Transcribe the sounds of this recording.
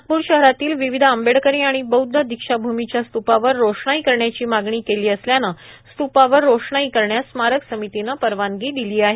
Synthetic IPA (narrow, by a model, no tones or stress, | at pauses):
puːɾɕəɦɾat̪iːlʋiʋid̪ʱəmbeɽkəɾĩːaɽ̃ibəud̪ʱːəd̪ikʂabʱumit͡ɕjast̪upaʋəɾːoʂɳaikəɾɳjat͡ɕiːmaɡɳiːkeliːəsljanast̪upaʋəɾːoʂɳaikəɾɳjasmaɾəksəmit̪inapəɾʋanɡiːd̪iliːaɦe